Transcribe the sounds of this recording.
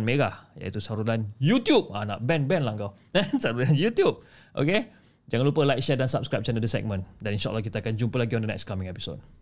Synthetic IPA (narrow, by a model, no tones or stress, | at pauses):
nmeɡahja̰it̪usaɾulanjut̪jup̚a̰na̰ʔbɛnbɛ̃nlaŋkaw | ansaɾulanjut̪jup̚ | ʔo̰ke | d͡ʒaŋanlupəlajk̚ʃɛdansap̚skɾap̚t͡ʃanədəsɛ̰k̚mə̃ndaninʃaʔlahk̬it̪akand͡ʒumpəlaɡiɔ̃ndənɛ̰k̚skamĩŋɛpiso̰t̚